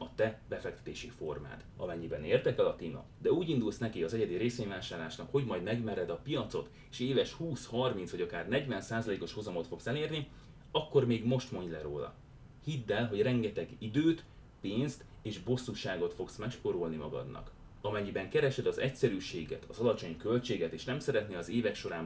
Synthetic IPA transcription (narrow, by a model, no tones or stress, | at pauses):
ɒt̪ɛbɛfɛkt̪ɛ̥t̪eːʃifo̞rma̰ːt̪ɒ̰mɛɲːibɛneːrd̪ɛkɛlɒt̪iːnɒ̰d̪ɛuːɟind̪ulsnɛkiɒzɛɟɛd̪iɾeːseːɲvaːʃaːrlaːʃnɒkho̞ɟmɒjd̪mɛɡmɛɾɛd̪ɒpijɒt̪so̞t̪ | eːʃeːvɛʃhuːshɒrmintsʋɒɟɒkaːrnɛɟvɛnsaːzɒleːko̞ʃhozɒmo̞t̪fo̞ksɛleːrni | ɒkːo̞rmeːɡmo̞ʃt̪mo̞ɲɟlɛɾo̰ːlɒ̰ | hid̪ːɛlɦo̞ɟrɛŋɡɛt̪ɛɡid̪øːt̪ | peːnst̪ | eːʒbo̞sːuʃaːɡo̞t̪fo̞ksmɛkʃpoɾolnimɒɡɒ̰d̪nɒ̰k | ɒmɛɲːibɛŋkɛɾɛʃɛd̪ɒzɛcsɛɾyːʃeːɡɛt̪ɒzɒlɒt͡ʃo̞ɲkø̞lt͡ʃeːɡɛt̪eːʃnɛmsɛɾɛt̪neɒzeːvɛkʃo̞ɾaːm